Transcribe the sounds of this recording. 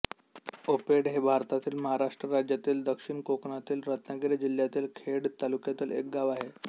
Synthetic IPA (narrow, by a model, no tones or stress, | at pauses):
opeɽɦebʱaɾt̪at̪iːlməɦaɾaʂʈɾəɾad͡ʑjat̪iːld̪əkʂiɳkokɳat̪iːlɾət̪naɡiɾad͡ʑil̤ːjat̪iːlkʰeɽt̪alukjat̪iːlek̚ɡaʋaɦe